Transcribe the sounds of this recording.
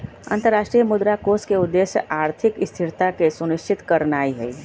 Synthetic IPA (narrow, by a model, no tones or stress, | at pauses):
ɐ̰̃nt̪əɾːaːʃʈɾijəmʊd̪ɾakoːskeʊd̪ːeːsjəʔaːɾt̪ʰɪkɪst̪ʰɪɾt̪akesʊnɪʃt͡ʃʰɪt̪kɐɾnaːiɦɛi